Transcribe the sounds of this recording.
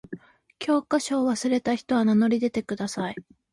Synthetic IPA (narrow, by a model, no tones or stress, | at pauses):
kʲʰo̞ːkaɕo̞ːβasɨɾe̞t̪açi̥t̪o̞βanano̞ɾʲid̪e̞t̪e̞kɯ̟d̪asai